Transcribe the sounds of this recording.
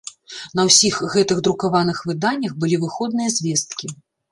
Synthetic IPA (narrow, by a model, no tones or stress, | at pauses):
nɐwsʲixɣɛt̪ɨɣd̪ɾukavanɨxvɨd̪anʲːɐxbɨlʲivɨxɔd̪̚nɨjɐzʲvʲɛst̪̚kʲi